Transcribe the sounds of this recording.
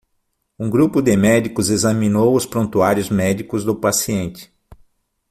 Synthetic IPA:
ũɡɾupʊd̪ɪmɛd͡ʒikʊzezɐmĩnowʊspɾõnt̪uaɾjʊzmɛd͡ʒikʊzd̪ʊpasiẽnt͡ʃɪ̥

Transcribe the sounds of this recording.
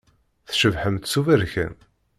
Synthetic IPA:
θʃəvħəmt̪suvæɾçə̰n

